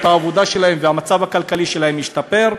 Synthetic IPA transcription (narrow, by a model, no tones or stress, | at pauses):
t̪haːvod̪aʃe̞lahemveamat͡savakalkaliʃe̞lahemjiʃt̪ape̞ʁ